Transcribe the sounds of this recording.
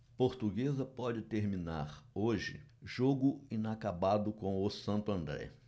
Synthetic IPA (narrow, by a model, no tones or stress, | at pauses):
poɾt̪uɡezɐpɔd͡ʒɪt̪eɾmĩna̰ɾoʒɪ̰ʒoɡʊĩnakabad̪ʊkõw̃ʊsɐ̃nt̪ʊɐ̃nd̪ɾɛ̰